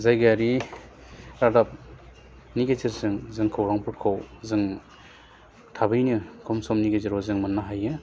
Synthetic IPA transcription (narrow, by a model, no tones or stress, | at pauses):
zajɡaɾi | ɾadap̚ | niɡezeɾzɯŋzɯŋkʰɯwɾaŋpʰɯɾkʰɯwzɯŋ | tʰabɯjnɯkʰɔmsɔmniɡezɯɾɔzɯŋmanːaɦajɯ